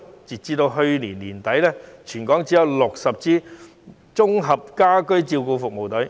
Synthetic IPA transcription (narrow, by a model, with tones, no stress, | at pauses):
t͡siː˨t̚t͡siː˧t̪o˧wɦɵ˧ɥniː˨˩nliː˨˩nt̪ɐ˨˥jlɛː˥t͡ʃʰyː˨˩nkɔː˨˥ŋt͡si˨˥jɐ˨˧wlʊ˨k̚sɐ˨p̚t͡siː˧˥ | t͡sʊ˥ŋɦɐ˨p̚kaː˥kɵ˥ɥt͡siː˧wkuː˧fʊ˨k̚mo˨˩wt̪ɵ˨˥